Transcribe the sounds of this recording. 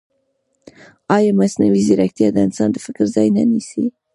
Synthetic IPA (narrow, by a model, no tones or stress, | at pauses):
ɑjɑmasnaviziɾakt̪ijɑd̪aɪnsɑːnd̪əfɪkəɾzɑːjnanisḭ